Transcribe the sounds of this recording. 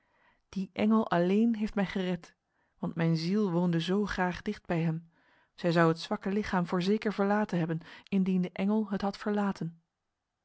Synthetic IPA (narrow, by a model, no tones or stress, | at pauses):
d̥iʔɛŋəlˠʔɑlejnɦejftmɛjχərɛt | ʋɑntmɛjnzilˠʋoːndəzowχraːχdɪχd̚bɛjɦəm | z̥ɛjzɑwɦətsʋɑkəlɪχaːmvʊːɹzejkəɹvəɹlaːtənɦɛbənɪndindəʔɛŋəlˠɦətɦɑtfəɹlaːtən